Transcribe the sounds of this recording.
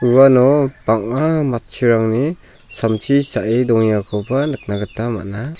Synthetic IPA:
ɯwanɔbaŋamat̚t͡ʃʰiɾaŋni | samtʰisaʔidɔŋjakʰɔpanɯk̚naɡɯtama̰ʔna

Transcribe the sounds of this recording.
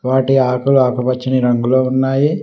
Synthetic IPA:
ʋaːʈiaːkuluaːkupɐt͡ʃːiniɾɐŋɡuloːunːaːji

